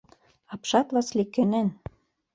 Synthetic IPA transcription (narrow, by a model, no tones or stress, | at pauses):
ɑpʃɑt̪lɑslikːĕnen